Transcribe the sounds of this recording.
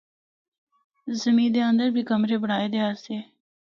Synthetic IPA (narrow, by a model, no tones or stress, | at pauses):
zəmĩːd̪eːənd̪əɾbʱiːkəmɾeːbəɽ̤aːeːd̪eːaːst̪eː